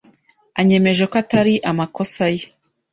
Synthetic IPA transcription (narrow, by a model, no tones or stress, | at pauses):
aɲe̞me̞ʒe̞koataɾiʔamakosaje